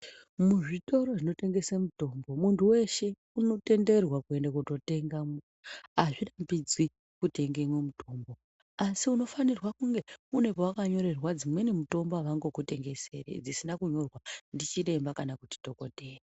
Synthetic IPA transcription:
muʐito̞ɾo̞ʐino̞te̞ŋɡe̞semuto̞mbo̞muntuwe̞ʃe̞ | uno̞te̞nde̞rwakue̞ndakuto̞te̞ŋɡam | aʐirambid͡zwi | kute̞ŋɡe̞mwemutʰo̞mbo̞ | asiuno̞fanirwakuŋɡe̞une̞powakaɲo̞ɾe̞rwad͡zimwe̞nimuto̞mbaʋaŋɡo̞kute̞ŋɡe̞se̞̰rḛd͡zisinakuɲo̞rwandit͡ʃire̞mbakanakuti̥to̞ko̞te̞ːre

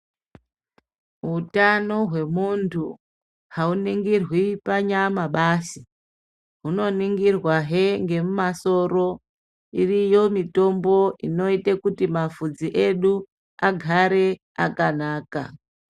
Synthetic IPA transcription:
ɦutano̞ɦwe̞muntʰu | hauniŋɡirwipaɲamaɓasi | ɦuno̞niŋɡirwaɦeŋɡe̞mumaso̞ro̞ | irijo̞mito̞mbo̞ʔino̞itekutimafud͡ziʔe̞ɗu | aɡʱaɾe̞ | akanaːka̰

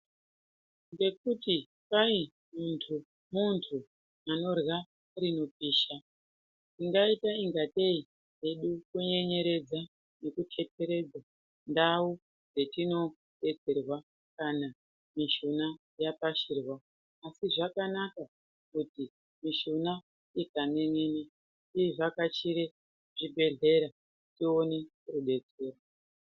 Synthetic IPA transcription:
ŋɡe̞kuti | pai | muntʰu | muntʰu | ano̞rwa | rino̞piːʃa | tiŋɡaitaiŋɡate̞i | ɦe̞ɗukuɲe̞ɲe̞ɾe̞d͡za | ne̞kutʰe̞te̞ɾe̞d͡za | ndau | d͡ze̞tino̞ | ɗe̞t͡se̞rwa | kana | miʃuna | japaʃirwaː | siʐakanaka | kuti | miʃuna | ikanenini | iʐakat͡ʃiɾe | ʐ̥ibʱe̞ɮe̞ɾa | tio̞ne | ruɗe̞t͡se̞ːro

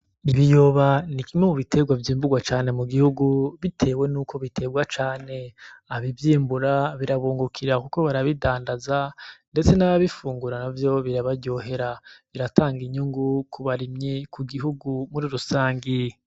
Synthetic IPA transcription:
iβijo̞βanikimemuβitʰe̞ɡwavjiːmbuɡwat͡ʃaːne̞muɡihuɡuβitʰe̞ːwe̞nuːkʰo̞βitʰe̞ːɡwat͡ʃaːne̞aβivjiːmbuɾaβiɾaβuːŋɡukʰiɾakuko̞βaɾaβidaːndazande̞t͡se̞naβaβifuːŋɡuɾanavjo̞βiɾaβaɟo̞ɦe̞ɾaβiɾatʰaːŋɡiɲuŋɡukʰuβaɾimɲikʰuɡiɦuɡumuɾiɾusaːŋɡi

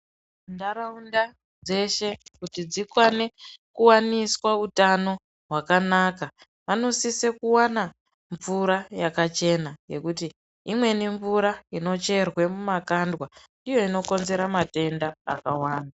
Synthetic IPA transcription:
ndaɾaunda | d͡ze̞ʃe̞kutid͡zikwane̞kuwaniswautano̞ | ɦwakanaːka | ʋano̞sisekuwana | ɱvuɾajakat͡ʃe̞naje̞kuti | imwe̞niɱvuɾaino̞t͡ʃe̞rwe̞mumakandwa | ijo̞ino̞ko̞nze̞ɾamate̞nda̰ːkawaːnda

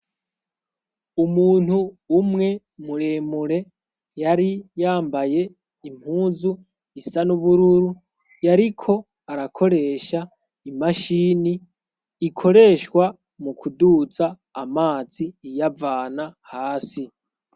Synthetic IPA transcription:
umuːn̥huːmŋe̞ | muɾe̞ːmuɾe̞ | jaɾijaːmbaje̞ | im̥huːzu | isanuβuɾuɾu | jaɾikʰo̞ | aɾakʰo̞ɾe̞ːʃa | imaʃiːniː | kʰo̞ɾe̞ːʃwa | mukʰuduzaː | maːziːjavaːnahaːsi

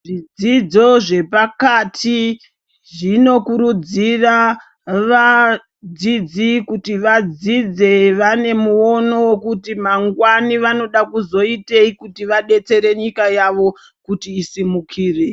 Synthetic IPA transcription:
ʐid͡zid͡zo̞ʐe̞pakatʰi | ʐino̞kuɾud͡zira | ʋa | d͡zid͡zikutiʋad͡zid͡ze̞ʋane̞muo̞no̞wokutimaŋɡwaniʋano̞ɗakuzo̞ite̞ikutiʋaɗe̞t͡se̞ɾe̞ɲikajaʋo̞ | kutiːsimukʰiːre

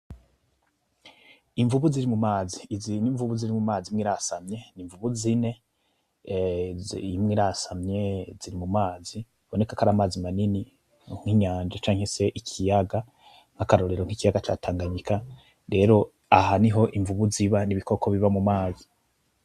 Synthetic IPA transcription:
iɱvuβuziɾimumaːziziniɱvuβuziɾimumaːzimŋiːɾasamɲe̞niɱvuβuzine̞ | imŋiːɾasamɲe̞ziɾimumaːzi | βo̞ne̞kakaɾaːmaːzimanini | ŋ̥hiɲaːnd͡ʒat͡ʃaːŋ̥e̞se̞ʔikʰijaɡa | ŋ̥hakaɾo̞ɾe̞ɾoŋ̥ikijaɡat͡ʃataːŋɡaɲika | ɾe̞ɾo̞ | aɦaniɦo̞ʔiɱvuβuziβaniβiko̞kʰo̞βiβamumaːzi

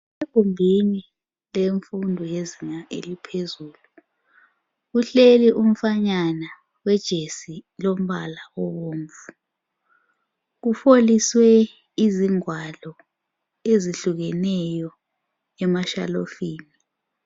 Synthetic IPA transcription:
eɡ̥ʱumbʱini | leɱfundʱɔjeziŋaʔḛlipʰezuːlu | ɣuɬeliʔum̩faɲana | wɛd̥ʒ̥ʱesilom̩ɓalaɔβoːɱvu | ɣufoliswɛ | iziŋwalɔ | eziɬuɣɛnɛjɔ | ɛmaʃa̰lofiːni

